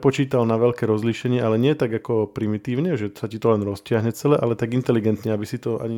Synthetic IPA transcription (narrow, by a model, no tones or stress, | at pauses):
pɔt͡ʃiːt̪alnaʋɛʎkɛːɾɔzliːʃɛɲɪɛʔalɛɲɪɛɛt̪aɡakɔpɾimit̪iːʊɲɛʒɛsacit̪ɔlɛnɾɔscɪaɦɲɛt͡sɛlɛʔalɛt̪aɡint̪ɛliɡɛnt̪ɲɛabisit̪ɔa̰ɲi